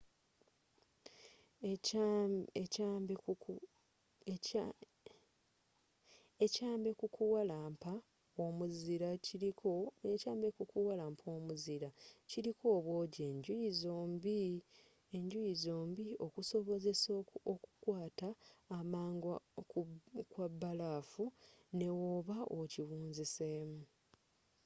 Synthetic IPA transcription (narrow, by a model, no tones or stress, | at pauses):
emb | ecaːmbe̞kukuwalaːmpa | omuziɾaciioecaːmbekukuwalaːmpʰoːmuziɾaciɾikʰo̞ːβwo̞ːɟeɲɟuizoːmbi | eɲɟujizo̞ːmbio̞kuso̞βo̞ze̞sooku̥kwaːtaːmaːŋɡ | kwabːalaːfune̞woβaʔociβuːnzise̞ːmu